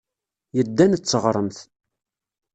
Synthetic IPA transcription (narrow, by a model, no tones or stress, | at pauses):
jəd̪ːænt͡sːəʁɾˤəmθ